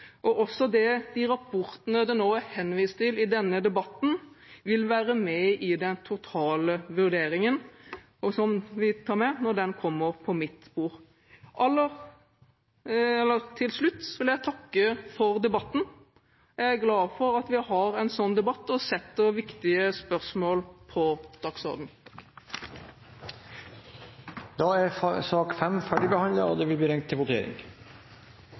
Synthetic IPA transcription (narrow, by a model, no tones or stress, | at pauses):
ʔɔʔɔsːɔd̪ɛd̪ɪɾɑpʰɔɾt̪ənəd̪ɛnoːæɾhɛnʋiːst̪ɪlɪd̪ɛnːəd̪ɛbɑt̪n̩ | ʋɪlʋæːɾəmɛɪd̪ɛnt̪ʰʊt̪ʰɑːləʋʉɾd̪eːɾɪŋən | ɔsɔmʋɪt̪ʰɑːɾmɛnɔɾd̪ɛnkʰɔmːəɾpʰɔmɪt̪sbuːɾ | ʔɑlːəɾ | ɛlːəɾt̪ʰɪlslʉt̪ːsɔʋɪljæɪt̪ʰɑkːəfɔɾd̪ɛbɑt̪ːn̩ | æɡlɑːfɔɾɑt̪ʋɪhɑɾɛnsɔnːd̪ɛbɑt̪ːɔsɛt̪ːəɾʋɪkt̪ɪəspœʁsmoːlpʰɔd̪̥ɑksɔ̰ɾd̪n̩ | d̪̥ɑæɾsɑːkfɛmfæɖɪbəhɑnd̪ləɾɔ̰d̪ɛʋɪlbliːɾɛŋt̪ʰːɪlʋʊt̪ʰḛːɾɪ̰ŋ